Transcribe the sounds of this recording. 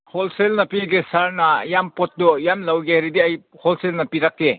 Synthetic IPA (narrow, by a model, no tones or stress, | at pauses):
hɔlselnɐpiɡesaɾnajampot̚dɔjamlawɡeɾidiaj | hɔlselnɐpiɾakːe